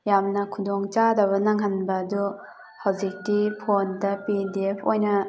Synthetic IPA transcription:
jamnɐkʰudɔŋt͡ʃadɐβɐnaŋɦanbɐdu | hawzik̚ːipʰondɐpidiepʰojnɐ

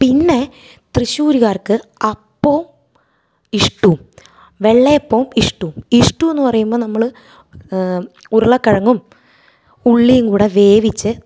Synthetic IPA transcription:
pinːe̞ | t̪rɨɕuːɾiɣaːrkɨɐpːoːm | iʂʈːum | ʋe̞ɭːeːpːoːmiʂʈːumiʂʈːue̞nːɨpɐrɐjumbo̞ːnɐmːɐɭ | uɾɐɭɐkːɐɻɐŋːum | uɭːijuŋkuːɽeʋe̞ːʋit͡ɕːɨ

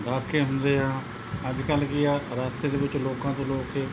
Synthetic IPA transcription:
ɡ̪ʱaːɾkʰeːɦʊnd̪eːɦãː | əd͡ʒkəlkɪaːɾaːst̪eːd̪eːʋɪt͡ʃloːkãːt̪oːloːkeː

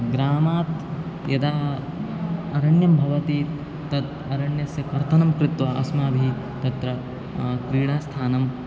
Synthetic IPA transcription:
ɡɾaːmaːt̪ | jɐd̪aː | ɐɾɐɳjɐmbʱɐʋɐt̪iːt̪ | t̪ɐt̪ | ɐɾɐɳjɐsjɐkɐɾt̪ʰɐnɐmkɾɪt̪ʋɐʔɐ̰smaːbʱi | t̪ɐt̪ɾɐ | kɾiːɽaːst̪ʰaːnɐm

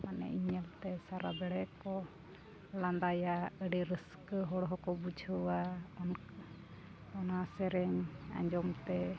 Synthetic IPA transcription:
manɛ̰iɲəlt̪ɛsaɾabɛɽɛkɔ | land̪ajaəɽiɾəskɦɔɽɦɔkɔbud͡ʒʱəwaɔn | ɔnasɛɾɛɲa̰ɲd͡ʒɔmt̪ɛ

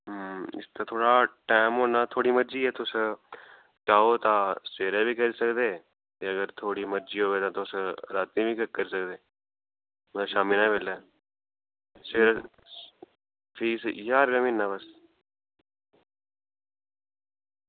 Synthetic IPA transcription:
ɦɪ̰st̪at̪ʰoːɽaːʈaːɪmɦoːnãːt̪ʰoːɽiːməɾd͡ʒiːɛːt̪ʊs | t͡ʃaːot̪ãːseːɾebʱiːkəɾiːsəkd̪eː | t̪eəɡəɾt̪ʰoːɽiːməɾd͡ʒiːɦoːʋeːt̪ãt̪osɾaːt̪ĩbʱikəkːəɾiːsəkd̪eː | mʃaːmilãʋeːla | sɪːɾ | fʰiːsjaːɾɡəmĩːnːãːbəs

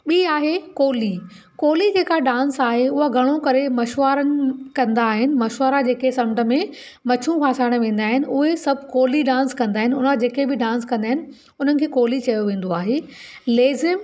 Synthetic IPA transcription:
ɓiːaːɦekoːli | koːlid͡ʑeːkaɖãːnsaːɦeʊɦaɡʱɐɽ̃okɐɾemɐʃʋaːɾənɪ̆kɐ̃nd̪aːɦɪnɪ̆mɐʃʋaːɾad͡ʑeːkesɐ̃mʈə̆mẽ | mɐt͡ɕʰũkʰãːsaːɽ̃ʋẽːn̆d̪aːɦɪnɪ̆ʔʊɦesɐbʱkoːliɖãːnskɐ̃nd̪aːɦɪnɪʊnəd͡ʑeːkebɪɖãːnskɐ̃nd̪aːɦɪnɪ̆ | ʊn̤ənɪ̆kʰeːkoːlit͡ɕɐjoʋẽːn̆d̪oaːɦeː | leːzɪm

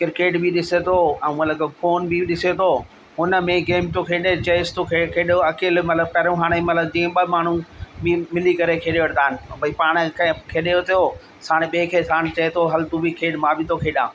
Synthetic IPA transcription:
kɪɾkeːʈbiɗɪset̪ʰoɛ̃ːmɐt̪ləkfoːnbiɗɪset̪ʰo | ɦʊnə̆mẽɡeːmt̪okʰeːɗet͡ɕɐɪst̪ʰokʰekʰeːɗoɐkeːlmɐt̪ləb̚kɐɾũɦaːɽ̃emɐt̪ləb̚d͡ʑĩːɓəmaːɳ̤ũbimɪlikɐɾekʰeːɗeʋɐɽd̪aːɦnɪ̆bɐipaːɽ̃kkʰeːɗeot̪ʰijo | saːɽ̃ɓekʰeːsʰaːɽ̃ɪt͡ɕɐet̪ʰoɦɐlt̪ubʱikʰeːɗmãbʱɪt̪ʰokʰeːɗãː

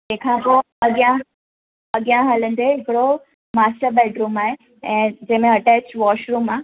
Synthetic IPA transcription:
d͡ʒẽːkʰãpo | ɐɠjã | əɠjãɦaːlənd̪eɪkɽo | maːsʈəɾbɛːɖɾũːmaːɦe | ɛ̃ːd͡ʑɛ̃ːmẽəʈɛːt͡ɕʋɔːʃɾuːmaː

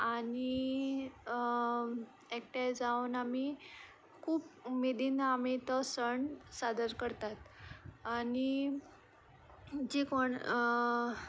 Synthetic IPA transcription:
aɽi | ek̚ʈejd͡zaunami | kʰuːp̚med̪inamit̪əsəɳsad̪əɾkəɾt̪at̪ani | d͡ʑikoɳ

